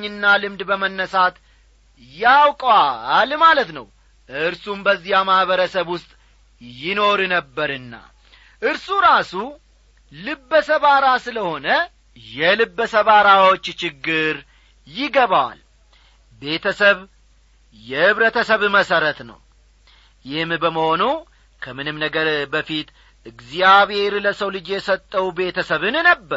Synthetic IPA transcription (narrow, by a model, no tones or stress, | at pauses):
ɨnːalɨmd̪bəmənːəsat̪ | jawkʼalmalət̪nə̰w | ʔɨɾsumbəzːijamahβəɾəsəβwʊst̪ʼ | jɪno̞ɾnəbːəɾɨnːa̰ | ʔɨɾsuɾasu | lɨbːəsəβaɾasɨləho̞nə | jɛlɨbːəsəβaɾawot͡ʃːt͡ʃɪɡːɨɾ | jɪɡəβaal | be̞t̪ʰəsəβ | jɛhɨβɾət̪ʰəsəβməsəɾət̪nə̰w | jɪhmbəməho̞nu | kʰəmɨnɨmnəɡəɾbəfit̪ | ʔɨɡzijaβhe̞ɾləsəwlɨd͡ʒjɛsət̪ʼːəwbe̞t̪ʰəsəβɨnnəbːəɾ